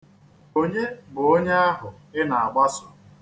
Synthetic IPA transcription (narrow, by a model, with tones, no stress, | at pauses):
o˦ɲe˦bʊ˨o˦ɲe˦a˦ɦʊ˨ | ɪ˦na˨a˨ɡ͡ba˦sʊ̥˨